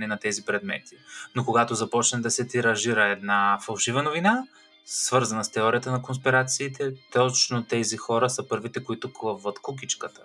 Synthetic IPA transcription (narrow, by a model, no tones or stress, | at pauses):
nɛnɐt̪ɛzipɾɛd̪mɛ̰t̪i̥nokoɡat̪ozɐpɔt͡ʃnɛd̪ɐsɛt̪iɾɐʒiɾəɛd̪nafɐlˠʃivənovina | svɤɾzɐnəst̪ɛɔɾijət̪ənɐkonspiɾat̪siːt̪ɛt̪ɔt͡ʃnot̪ɛzixɔɾəsəpɤɾvit̪ɛkoit̪oklˠəvvət̪kuk̬it͡ʃkət̪ə̥